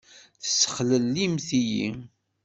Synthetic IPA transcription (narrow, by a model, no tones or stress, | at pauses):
θə̥sːə̥χləlːimθijḭ